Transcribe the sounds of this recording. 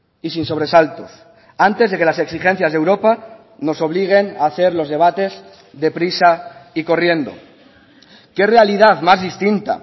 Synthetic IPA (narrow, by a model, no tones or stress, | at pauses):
isinso̞β̞ɾe̞salt̪o̞s | ant̪e̞zð̞e̞ke̞lase̞ksixe̞n̟θjazðe̞wɾo̞pa | no̞so̞β̞liɣ̞e̞naːθe̞ɾlo̞zðe̞β̞at̪e̞z | ðe̞pɾisaiko̞rje̞nd̪o̞̰ | ke̞realiðaðmazðist̪int̪a̰